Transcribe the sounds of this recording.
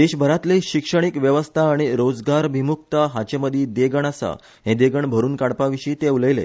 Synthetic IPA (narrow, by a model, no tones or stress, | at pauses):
d̪eɕbʱəɾat̪leɕikʂəɽ̃ikʋjəʋəst̪ʰaːɽ̃iɾod͡zɡaɾbʱimuk̚t̪əɦat͡ɕeməd̪ʱiːd̪eɡəɳ̃asa̰ | ɦẽd̪eɡəɳbʱəɾuːnkaɽpaʋiɕiːt̪euləjlḛ